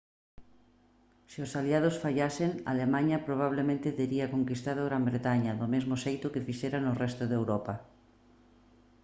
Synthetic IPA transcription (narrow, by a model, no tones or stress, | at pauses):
seosaliað̞osfaʎaseŋa̰lemaɲɐpɾoβ̞aβ̞lemẽnt̪et̪eɾiakoŋkist̪aðoɣɾambɾet̪aɲaðomezmoʃejt̪ʊkefiʃeɾanorɛst̪oðewɾɔpa